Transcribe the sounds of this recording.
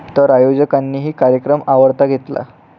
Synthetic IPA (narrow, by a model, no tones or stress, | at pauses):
t̪əɾajod͡ʑəkanːiːɦiːkaɾjəkɾəmaʋəɾt̪aɡʱet̪la̰